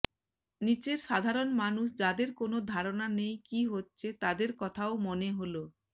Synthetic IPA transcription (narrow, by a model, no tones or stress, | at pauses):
nit͡ɕeɾʃad̪ʱaɾonmanuʃd͡ʑad̪eɾkonod̪ʱaɾonanejkiɦotːɕʰet̪ad̪eɾkɔt̪ʰaomoneɦolo